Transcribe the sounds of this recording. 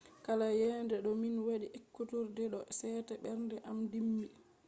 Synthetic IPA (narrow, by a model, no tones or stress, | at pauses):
kalajɛndɛɗɔminwaɗiʔekːutuɾdɛɗɔsɛːtɛɓɛɾndɛʔamdimːi